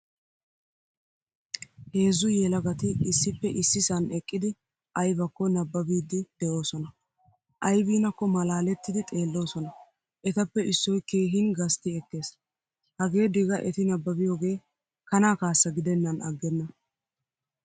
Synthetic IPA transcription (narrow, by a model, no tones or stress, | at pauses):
he̞ːzːʊjɛlɐɡɐt̪ɪːsːɪpːɛʔɪsːɪsɐnɛkʼːɪd̪ɪ | ʔɐjbɐkːɔnɐbːɐbiːd̪ɪd̪̥ɛʔo̞ːsɔnɐ | ʔɐjbiːnɐkːɔmɐlaːlɛt̪ːɪd̪ɪt̪ʼe̞ːlːo̞ːsɔnɐ | ʔɛt̪ɐpːɛɪsːɔjkeːɦɪnɡɐst̪ɪɛkːe̞ːs | hɐɡe̞ːd̪ɪɡɐʔɛt̪ɪnɐbːɐbɪjo̞ːɡe̞ː | kɐnaːkaːsːɐɡɪd̪ɛnːɐnɐɡːɛnːɐ